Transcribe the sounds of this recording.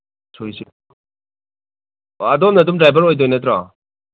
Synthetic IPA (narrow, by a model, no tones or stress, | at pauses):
sʰojsi | ɐdɔmnɐdumdɾajbɐɾojdɔjnɐtɾɔ